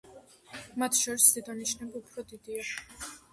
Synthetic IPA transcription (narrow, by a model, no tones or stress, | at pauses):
mat̪ʰʃɔɾisd̪ɛd̪aniʃnɛbupʰɾɔd̪id̪ia